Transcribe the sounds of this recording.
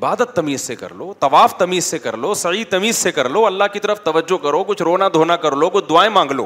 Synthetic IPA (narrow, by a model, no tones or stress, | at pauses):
ɪbaːd̪ət̪ːɐmiːzsekɐ̰ɾloːt̪ɐʋaːft̪ɐmiːzsekɐ̰ɾloːsɐit̪ɐmiːzsekɐɾloːɐlːaɦkit̪ɐɾəft̪ɐʋəd͡ʒːokɐɾokʊt͡ʃʰɾoːnad̪ʱoːnakɐɾlokʊt͡ʃʰd̪ʊaːẽmãːŋɡlo̰ː